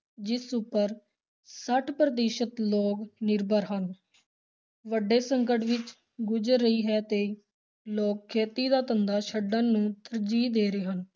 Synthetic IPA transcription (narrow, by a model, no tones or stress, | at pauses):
d͡ʒɪsʊpːəɾ | səʈʰpɾəd̪eːʃət̪loːknɪɾbʱəɾɦən | ʋəɖeːsəŋkəʈʋɪt͡ʃ | ɡʊd͡ʒəɾːəiːɦɛːt̪eː | loːkkʰːeːt̪iːd̪aːt̪ənd̪aːʃəɖə̃ːnũːt̪əɾd͡ʒiːd̪eːɾeːɦən